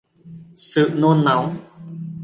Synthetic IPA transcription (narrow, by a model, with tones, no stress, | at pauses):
sɨ̰˧˨no˧nːa˨˦w